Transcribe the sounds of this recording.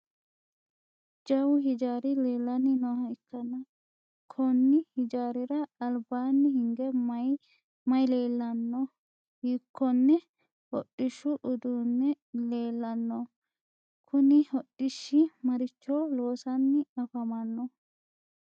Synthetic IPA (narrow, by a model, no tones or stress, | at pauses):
d͡ʒɐwʊɦɪd͡ʒaːɾɪleːlːɐnːɪnɔhɐɪkːɐnɐ | kʰɔnːɪhɪd͡ʒaːɾɪɾɐːlbaːnːɪhɪŋɡɛmɐj | mɐjleːlːɐnːɔ | hiːkːɔnːɛ | hɔɗʼːɪʃːʊʔʊd̪uːnːɛ | leːlːɐnːɔ | kʰʊnɪhɔɗːɪʃːɪmɐɾɪt͡ʃːolo̞ːsɐnːɪɐfɐmɐnːɔ